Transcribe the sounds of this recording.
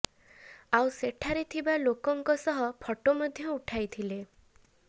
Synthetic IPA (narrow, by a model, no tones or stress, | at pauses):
awseʈʰaɾet̪ʰibalokɔŋkɔsɔɦɔpʰɔʈomɔd̪ʱjɔuʈʰajt̪ʰile